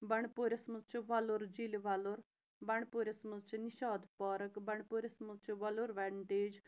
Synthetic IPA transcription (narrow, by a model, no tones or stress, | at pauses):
bɐɳpuːɾʲɐsməzt͡ʃʰiʋɐluɾd͡ʒiliʋɐluɾ | bɐɳpuːɾʲɐsməzt͡ʃʰiniʃaːd̪paːɾɐkbɐɳpuɾʲɐsməzt͡ʃʰiʋɐluɾʋɐɳʈeːd͡ʒ